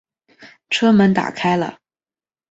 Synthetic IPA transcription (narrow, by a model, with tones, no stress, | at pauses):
ʈ͡ʂʰɤ˥mə˧˥nt̪a̰˨˩kʰa˥ɪlə̰˨